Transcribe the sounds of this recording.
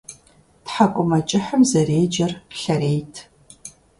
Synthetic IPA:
tħakʷʼʊmɐt͡ʃʼɪħəmzɐreːd͡ʒɐrɬɐɾeːjtʰ

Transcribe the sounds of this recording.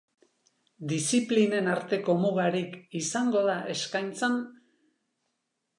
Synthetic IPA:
d̪isipline̞naɾt̪e̞ko̞muɣaɾikisaŋɡo̞ðaʔe̞skajnt͡san

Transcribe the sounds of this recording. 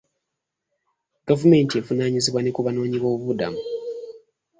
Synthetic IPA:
ɡ̥avume̞ːntiefunaːɲiziβwanekuβano̞ːɲiβo̞ːββuβuda̰mu

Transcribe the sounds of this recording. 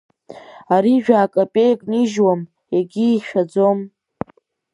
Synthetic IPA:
aɾiʒᶣaːkʼapʼejkʼniʒwam | eɡʲiːʃᶣad͡zom

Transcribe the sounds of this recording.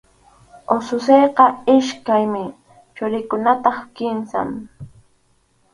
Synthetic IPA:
osʊsejqɑɪʃkajmɪ | t͡ʃʊɾɪkʊnat̪ɑχkɪnsa̰m

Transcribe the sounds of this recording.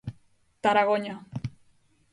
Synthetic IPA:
t̪aɾaɣoɲa

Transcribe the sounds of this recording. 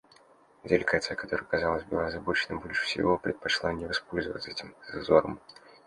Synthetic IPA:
dʲɪlʲɪɡat̪sɨjəkɐt̪o̞ɾəɨjkɐzɑlˠəsʲbɨlˠazɐbot͡ɕɪnɨmbolʲʂɨ̥fsʲɪ̰vopɾʲɪt̪̚pɐʂlˠanʲɪvɐspo̞lʲzəvə̰t̪sɛtʲɪmzzo̞ɾə̰m

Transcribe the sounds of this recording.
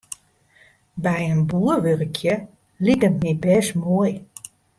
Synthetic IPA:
bɛjənbuːərʋørəkʰjə | lidətmibɛːsmoəj

